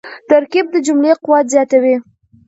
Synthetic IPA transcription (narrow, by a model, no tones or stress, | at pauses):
t̪aɾkib̚d̪əd͡ʒʊmleqʊwɑt̪zjɑt̪awi